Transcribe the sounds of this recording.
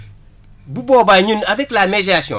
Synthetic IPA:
buboːbaɲunaveklamed͡ʒasiõ̰

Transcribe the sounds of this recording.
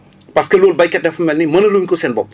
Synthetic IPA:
pɐskɐloːlbɐjkɛt̚dɐfɐmɛlnimɐnɐluːmɲʲkusɛnbɔ̰p̚

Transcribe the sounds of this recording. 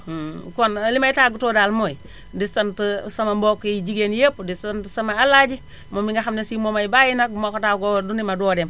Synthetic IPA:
konalimajitaɡutodalmoi | distantəsamambokːejid͡ʒiɡenjepdistantəsamaalad͡ʒi | momiŋɡaxamnesimomaibajinak̚mokotaɡodunimadoːdem

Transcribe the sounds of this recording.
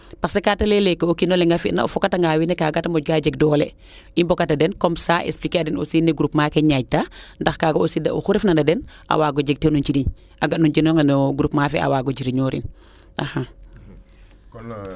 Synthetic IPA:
pasɛkatɐlɛlɛkːeokinɔlɛŋɡafiʔna̰fɔkːataŋɡawinɛkaːɡatamɔɟ̚ɡaɟɛɡ̚dɔːlɛ | imbɔkatɐdɛnkɔmsaːʔɛ̰splikeadɛnṵsinɛɡuɾupmaːkɛɲaɟ̚tandɐxkaːɡoosidɐ̰ʔṵxuɾɛfnɐndɐdɛn | a̰waːɡɔɟɛɡ̚tenunt͡ʃiɾiɲ | ʔaɡatnuɲd͡ʒinɔŋknɡuɾupmaːfɛʔa̰waːɡɔd͡ʒiɾiɲɔɾḭn | ʔaha

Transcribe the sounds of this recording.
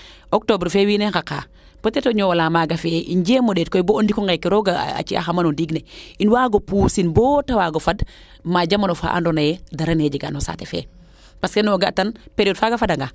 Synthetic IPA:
ok̚tobɾfewinekaka̰ː | potetoɲowalaːmaɡafeʔind͡ʒeːmoɗeːt̚kojboondikɔŋɡekːiɾoɡaa̰t͡ʃia̰xamanondiːɡneinwaːɡopuːsinbotawaɡofad | maɟamanofa̰ːʔa̰ndonajɛdaɾened͡ʒiɡa̰nosa̰ːtefḛ | paskenoɡatanpeɾioːdfaɡafadaŋɡa

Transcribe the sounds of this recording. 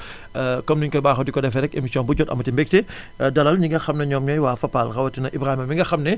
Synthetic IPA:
kɔmnuɲkɔjbaːxɔdikɔdɛfɛɾɛkemisijɔ̃nbuɟɔtɐ̰mɐtimbɛk̚tɛ | dɐlɐlɲiŋɡɐxɐmnɐɲɔːmɲɔjwaːfɐpːalxɐwɐtinɐʔibɾaːhimɐmiŋɡɐxɐmnɛ

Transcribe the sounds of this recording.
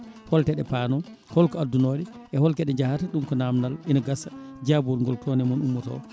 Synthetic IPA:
hɔltɛɗɛpanɔ | hɔlkɔadːunoːɗɛ | ʔɛhɔlkɛɗɛd͡ʒahataɗumkɔnamnalinaɡasad͡ʒabɔlŋɡɔltɔnɛmɔnumːɔtɔ̰

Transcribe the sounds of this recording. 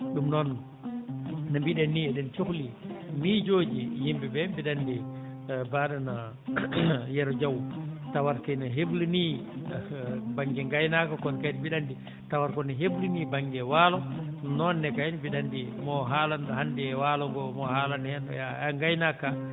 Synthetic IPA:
ɗumnɔn | nambiɗɛnːiɛɗɛnt͡ʃoklimid͡ʒod͡ʒijimbɛbɛbiɗandi | baːɗana | jɛɾɔd͡ʒawtawaɾkajnaɦeblini | baŋɡɛŋɡajnakakɔnkajnbiɗandi | tawaɾkɔnaɦeblinibaŋɡɛwaːlɔnɔnːɛkajnbiɗandimɔɦaːlanhandɛwaːlɔɡɔmɔhaːlanhɛn̰jaaŋɡajnaka

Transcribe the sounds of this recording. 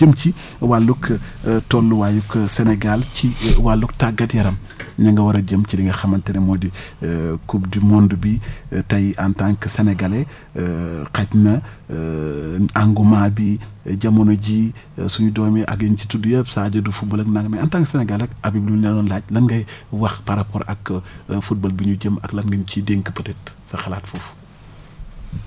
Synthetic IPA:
d͡ʒəmt͡ʃi | walːukʰtɔlːuwajukːsenɛɡalt͡ʃiwaluktaɡɐdjɐɾɐm | ɲɐŋɡɐwɐɾɐɟəmt͡ʃidiŋɡɐxɐmɐntɛnemodi | kubdimɔndubitɐjʔantaŋkəseneɡale | katnɐ | aŋɡumaːbi | ɟɐmɔnɔɟi | suɲudɔːmɛʔɐ̰k̚ɐnt͡ʃitudujɐpsaːɟɐdufut̚bɐlɐknaŋɡmɛɐantaŋksɛnɛɡalɐkɐbiblinɛlɔnlaɟ̚lɐŋɡɐjwɐxpaɾapɔɾɐkfut̚bɐlbiɲuɟɐmɐ̰klɐŋɡɐɲcidɛŋkəpɐtɛtsɐxɐlaːtfuf

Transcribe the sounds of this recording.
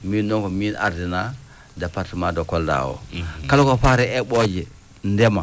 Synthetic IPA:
miːnːoŋkomina̰ɾdina | dapatimadokolda̰wo̰kalokopaɾɛeɓod͡ʒi | ndema

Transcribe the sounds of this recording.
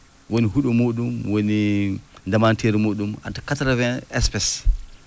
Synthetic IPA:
woniɦuɗɔmoɗumwonindamanteɾimoɗuma̰takatɾavɛɛspɛs

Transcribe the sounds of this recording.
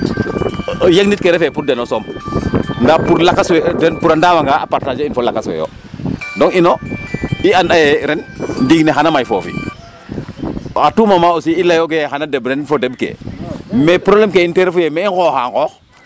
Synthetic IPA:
jeɡnit̚keɾɛfepuɾdenosom | ndapuɾlakːaswedenpuɾandawaŋɡaapaɾtad͡ʒeinfolakːaswḛjo̰ | dɔŋinoianɗajeɾɛnndiɡneɦanamajfofḭ | atumamaːosiilajok̬ejxanadebɾenfodebkḛmepɾoblemkeinteɾfujemeiŋkoxa̰ːŋkɔx

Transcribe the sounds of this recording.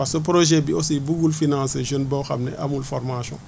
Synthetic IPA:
asop̬ɾoʒɛbiosibuɡulfinãseʒonbaxa̰mnɛ̰ʔamulfɔɾmasɔ̰̃

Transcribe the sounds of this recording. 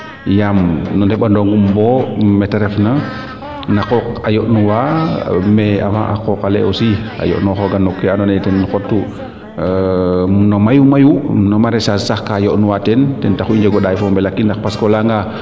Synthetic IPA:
jamnɔndɛɓandɔŋɡumbɔmɛtɛɾɛfna | nakɔkajɔʔnuwamɛa̰ma̰ʔa̰kɔkalɛ̰ʔɔsia̰jɔ̰ʔnɔxɔɡanːɔkːɛanɔnɛtɛnːxɔtːu | nɔmajumajunɔmaɾɛsassaxkajɔʔnuwatɛntɛntaxuiɲd͡ʒɛɡɔɗajfɔmbɛlakːindaxpaskɔlaŋɡa

